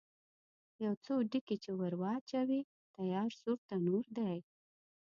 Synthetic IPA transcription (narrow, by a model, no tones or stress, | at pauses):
jawt͡soɖiket͡ʃewaɾwɑt͡ʃawi | t̪ajɑɾsuɾt̪anoɾd̪aj